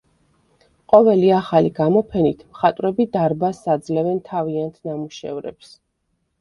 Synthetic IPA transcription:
qʼɔvɛliaχaliɡamɔpʰɛnit̪ʰmχat̪ʼvɾɛbid̪aɾbasad̪zlɛvɛnt̪ʰaviant̪ʰnamuʃɛ̰vɾɛ̰ps

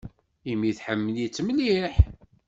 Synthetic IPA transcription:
imːiθħəmːəljit͡sːməliħ

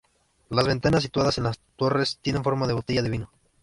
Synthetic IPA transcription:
lazβe̞nt̪anas̬ːit̪waðase̞nlast̪o̞re̞st̪je̞ne̞nfo̞ɾmaðe̞βo̞t̪eʝaðeβino̞

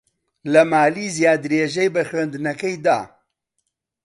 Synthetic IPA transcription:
lɐmaːliːzjaːd̪ɾeːʒɐjbɐxɥeːnd̪ɨnɐkɐjd̪a̰ː

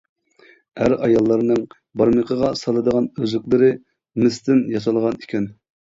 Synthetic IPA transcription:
æɾɑjɑlˠːɑɾnɨŋ | bɑɾməqʰəʁɑsɑlˠɨd̪əʁɑnøzɪkʲlˠɨɾɪ | mɪst̪ʰɪnjɑsɑlˠʁɑnikʲɛn

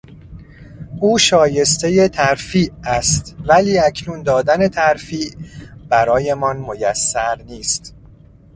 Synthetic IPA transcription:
ʔuːʃɒːje̞st̪e̞je̞t̪ʰæɾfiːʔæst̪væliːæcʰnuːnd̪ɒːd̪æne̞t̪ʰæɾfiːʔb̥æɾɒːje̞mɒnmojæsːæɾniːst̪

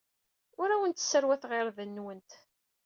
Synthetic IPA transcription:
ʊɾæwənt̪ə̥sːəɾwæθʁɪɾðənːwənt̪

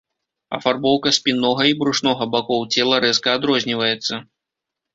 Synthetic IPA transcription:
ɐ̰farbɔwkɐsʲpʲinːɔɣɐibɾuʂnɔɣɐbakɔwt͡sʲɛlˠɐɾɛskɐad̪ɾɔzʲnʲivɐjɛt̪sːɐ

